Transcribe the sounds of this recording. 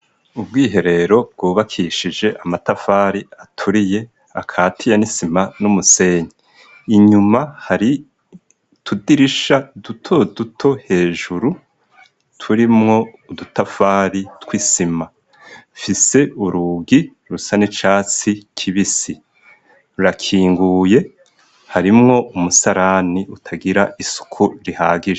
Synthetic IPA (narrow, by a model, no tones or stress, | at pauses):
ubɡiːɦe̞ɾe̞ɾo̞b̚ɡ̥uːβakʰiʃid͡ʒe̞ʔamatafaːɾiatʰuɾije̞ | a̰kʰaːtʰijanisimanumuse̞ːɲiː | ɲumahaɾi | tʰudiɾiʃadutʰo̞dutʰohe̞ːʒuɾu | tʰuɾimŋo̞udutafaːɾitwisima | fise̞uɾuɡi | ɾusanet͡ʃaːt͡sikʰiβisi | uɾakʰiːŋɡuːje̞ | haɾimŋo̞ʔumusaɾaniutʰaɡiɾaʔisu̥kʰuɾihaːɡiʒe